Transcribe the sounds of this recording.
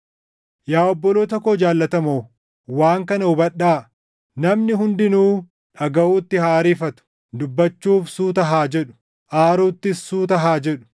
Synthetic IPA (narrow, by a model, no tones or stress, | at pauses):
jaːɔbːɔloːt̪ɐkoːd͡ʒaːlːɐt̪ɐmoː | waːŋkɐnɐʊbɐᶑːaː | nɐmnɪɦʊnd̪ɪnuː | ᶑɐɡɐuːt̪ːɪhaːɾiːfɐt̪ʊ̥ | d̪ʊbːɐt͡ʃːuːfsuːt̪̬ɐɦaːd͡ʒɛᶑʊ̥ | ʔaːɾuːt̪ːɪsːuːt̪ɐɦaːd͡ʒɛᶑʊ̥